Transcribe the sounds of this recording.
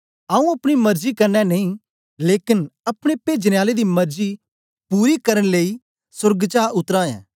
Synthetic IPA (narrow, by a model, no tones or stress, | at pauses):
aːũɐpɽ̃imɐɾzikɐɾnɛnɐĩ | leːkɪnɐpɽ̃epeːd͡ʒnejaːled̪imɐɾzi | puːɾikɐɾəñleːi | sʊɾɡt͡ʃaːʔʊt̪ɾãːjɛ̰̃ː